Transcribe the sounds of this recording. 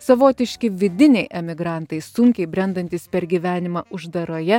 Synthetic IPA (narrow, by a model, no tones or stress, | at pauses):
sɐʋoːt̪ʲɪʃʲkʲɪʋʲɪd̪ʲɪnʲɛɪʔɛmʲɪɡɾɑˑnt̪ɐɪsʊŋʲkʲɛɪbʲɾʲɛnd̪ɐnʲt̪ʲiːspʲɛɾʲɡʲiʋʲæːnʲɪmɐʊʒd̪ɐɾoːjɛ